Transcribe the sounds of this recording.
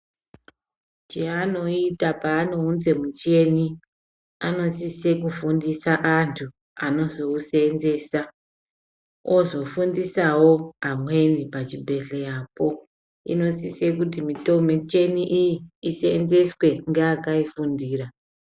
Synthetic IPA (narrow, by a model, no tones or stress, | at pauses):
t͡ʃeano̞itapaːno̞ɦunze̞mut͡ʃe̞ni | ano̞sise̞kufundisaʔantʰu | ano̞zo̞usenze̞sa | ozo̞fundisawo̞amwe̞nipat͡ʃibʱe̞ɬejapo̞ | ḭno̞sise̞kut̬imito̞met͡ʃe̞niʔijiːsenze̞swe̞ŋɡeakaifundiːra